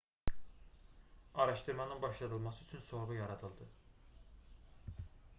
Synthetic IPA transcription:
ɑɾɑʃt̪ɯɾmɑnɯnbɑʃlˠɑd̪ɯlˠmɑsɯyt͡ʃʰynso̞bujɑɾɑd̪ɯlˠd̪ɯ

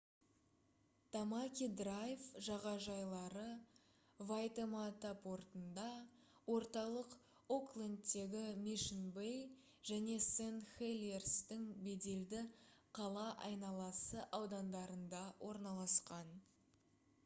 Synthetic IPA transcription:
t̪ʰamakʲid̪rajfʒɑʁɑʒɑjlˠɑɾə | vajt̪emat̪apʰo̞ɾt̪ənd̪ɑwo̞ɾt̪ɑlˠəq | o̞klˠend̪ːe̞ɡʲɪmiʃənbej | ʒ̥æne̞senχelʲerst̪ɪŋbe̞d̪e̞ld̪ɪqʰɑlˠɑʔɑjnɑlˠɑsəʔɑwd̪ɑnd̪ɑɾənd̪ɑwʔo̞ɾnɑlˠɑsqɑn

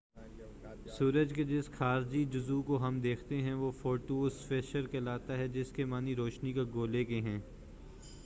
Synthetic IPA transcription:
suːɾəd͡ʒked͡ʒɪsxaːɾd͡ʒid͡ʒʊzukoɦɐmd̪eːkʰt̪eɦɛ̃ʋoːfoːʈuːsfeʃəɾkelaːt̪aɦɛd͡ʒɪskemaːniɾoːʃnikaɡoːlekeɦɛ̃ː

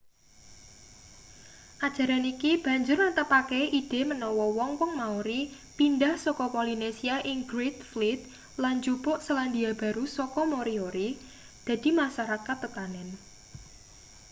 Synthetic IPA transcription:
ʔad̥ʒ̥a̤ɾanikib̥a̤ɲd͡ʒʊrnət̪əpakɛʔid̥e̤mənɔwɔwɔŋwɔŋmauɾi | pindahsɔkɔpɔlinesiaʔɪŋɡɾet̪̚flit̪̚ | land͡ʒupʊʔsəland̪iab̥a̤ɾusɔkɔmoɾioɾi | d̪̥ä̤d̪̥i̤maʃaɾakat̪ːət̪anɛn

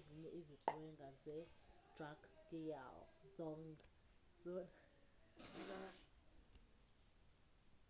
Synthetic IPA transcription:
eziɲɛʔiziǃwɛŋɡʱazɛd̥rakʰkʼija̰ld͡zɔŋ | zɔna

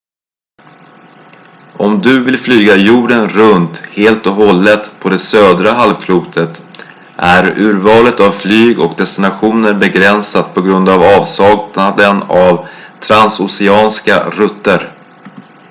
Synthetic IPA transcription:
ɔmd̪ɵvɪlflyːɡajuːɖənɾɵnt̪heːlt̪ɔɦɔlːət̪pʰɔd̪ɛsøːd̪ɾaɦalvkʰluːt̪ʰət̪ | ʔæɾʉ̟ːɾvɑːlət̪avflyːɡɔkd̪ɛst̪ɪnaɧuːnəɾbɛɡɾɛnsat̪̚pʰɔɡɾɵnd̪avɑːvsɑːɡnad̪ənavt̪ʰɾansʊsɛɑːnska̰ɾɵt̪ːəɾ

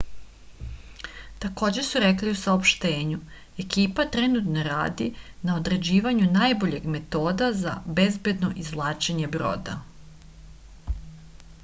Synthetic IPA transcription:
t̪ako̞ːd͡ʑe̞suɾekliusaopʃt̪eːɲu | e̞kiːpat̪ɾenut̪no̞ɾa̰ːd̪inao̞d̪ɾe̞d͡ʑiːʋaɲunajboʎe̞ɡme̞t̪o̞ːd̪aza̰be̞zbe̞d̪no̞ʔizlˠaːt͡ʃeɲe̞bɾo̰ːd̪a̰

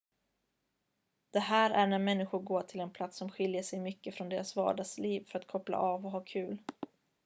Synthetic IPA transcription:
d̪̥ɛɦæːɾæɳæɾmɛnːɪɧʊɾɡoːʈʰɪlɛnpʰlat̪sːɔmɧɪljəʂɛjmʏkːəfɾɔnd̪eːɾasvɑ̰ːɖɑːɡsliːvfœɾat̪kʰɔpla̰ʔɑvɔɦɑːkʰʉ̟ːl

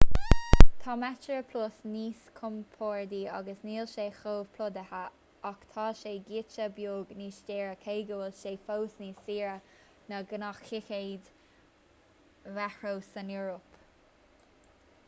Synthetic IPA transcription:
t̪ʰɑːmɛt͡ʃəɹəpʰlosniːskʰʊmpʰoːɹd̪iːɑ̰ɡəsniːlʃeːxoːvpʰlʊd̪əha | akt̪ʰɑːʃeːɡiːt͡ʃəbjoːɡniːʃdeːɹəkʰeɪɡəwəlʃeːfowsniːsiːɹə | nəɡənaxxɪxeɪd̪ | vɛxɹosənuɹop

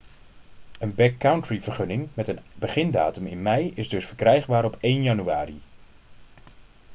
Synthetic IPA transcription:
ənbɛkːawntɹivəɹχɵnɪŋmɛtənbəχɪnda̰ːtəmɪ̰nmɛjɪzdɵsfəɹkrɛjχbaːɾɔpejnjɑnyaːri

